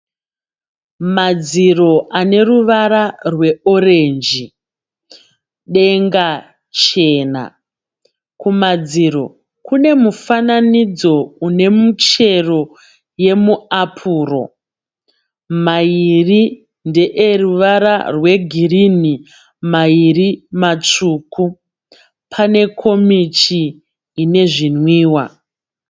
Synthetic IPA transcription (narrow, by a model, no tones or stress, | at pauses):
mad͡ziro̞ʔane̞ruʋaɾarwe̞o̞ɾe̞nd͡ʒi | ɗe̞ŋɡa | t͡ʃe̞ːna̰ | kumad͡ziɾo̞̰ | kune̞mufananid͡zo̞une̞mut͡ʃe̞ro̞ | je̞muapʰuːro̞̰ | mairi | nde̞ʔeruʋaɾa̰rwe̞ɡʱirini | mairimat͡ʂuːkʰu | pʰane̞kʰo̞mit͡ʃiː | ne̞ʐinwiːwa